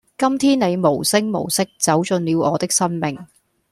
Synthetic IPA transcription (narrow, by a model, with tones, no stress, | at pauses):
kɐ˥mt̪ʰiː˥nne˨˧jmo˨˩wsɪ˥ŋmo̰˨˩wsɪ˥k̚t͡sɐ˨˥wt͡sɵ˧nliː˨˧wɔː˨˧t̪ɪ˥k̚sɐ˥nmɪ˨˩ŋ